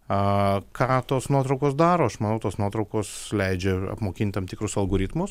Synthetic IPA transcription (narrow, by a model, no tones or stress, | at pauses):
ɐkɑːt̪oːsnuɔt̪ɾɔʊkoːsd̪ɑːɾoːɐʃmɐnɐʊt̪oːsnuɔt̪ɾɐʊkoːslʲɛɪd͡ʒʲɛɐ̰pmoːkʲɪnʲt̪ʲt̪ɐmpt̪ʲɪkɾʊsɐlˠɡoːɾʲɪt̪mʊs